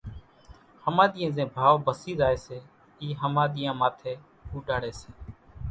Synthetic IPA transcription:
həmãːɗ̪ɪjẽːzẽːbʱaːʋbəsiːzaːeːseː | iːɦəmãːɗ̪ɪjãːmaːt̪ʰeː | puːʈaːɽeːseː

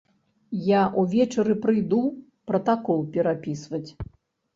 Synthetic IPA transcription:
jaʔuvʲɛt͡ʂɐɾɨpɾɨjd̪u | pɾɐt̪akɔlˠpʲɛɾapʲisvɐt͡sʲ

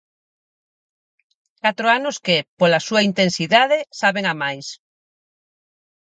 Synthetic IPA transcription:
kat̪ɾoanoskepolasuaint̪ensiðað̞esaβeŋamajs

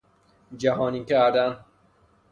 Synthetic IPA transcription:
d͡ʒæɦɒːniːkæɾd̪æn

